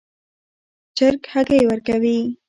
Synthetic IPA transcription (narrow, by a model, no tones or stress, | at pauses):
d͡ʒəɾkhaɡewəɾkawi